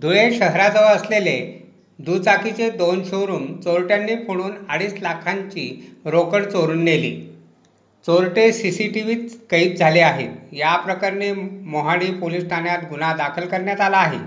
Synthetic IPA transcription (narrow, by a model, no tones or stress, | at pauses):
d̪ʱuɭẽɕəɦɾad͡zəʋəslele | d̪ut͡sakit͡ɕed̪onɕoɾuːnt͡soɾʈjanːiːfoɽ̃uːnaɽiːslakʰaɲt͡ɕiːɾokəɽt͡soɾuːnːelḭː | t͡soɾʈesisiʈiʋiːt̪kəiːt̪̚d͡zʱaleaɦet̪japɾəkaɾnemoɦaɽiːpolisʈʰanjat̪ɡunad̪akʰəlkəɾɳjat̪alaːɦḛ